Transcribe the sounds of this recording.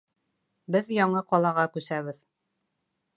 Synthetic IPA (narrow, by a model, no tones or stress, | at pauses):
bɘðjɒɴɤqɒlˠɑʁɑkʉsæβɘð